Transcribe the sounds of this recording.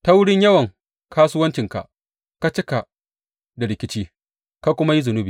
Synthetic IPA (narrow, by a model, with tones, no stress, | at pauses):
ta˦wʊ˦ɽɪ˦ɲjɐ˦wɐ˨ŋ | kʰaː˦sʊ˦wɐ˦nt͡ʃɪ˨ŋka̰˨ʔ | ka˦t͡ʃɪ˦ka˨ʔ | da˨ɽɪ˨kʲɪ˦t͡ʃiː˦ | ka˦kʷʊ˦ma˦ji˦zʊ˨nʊ˦bi˨